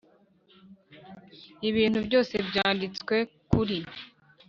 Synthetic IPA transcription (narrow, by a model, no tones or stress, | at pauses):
iβiːn̥hubjo̞ːse̞bɟaːndit͡swe̞kuɾi